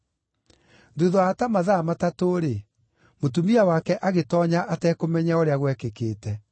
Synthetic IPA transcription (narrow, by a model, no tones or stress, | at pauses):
ndoðɔatamaðamatatoːɾe | motumiawakɛʔaɣetɔːɲaʔatɛːkomɛɲaoɾeaɣwɛkekeːtɛ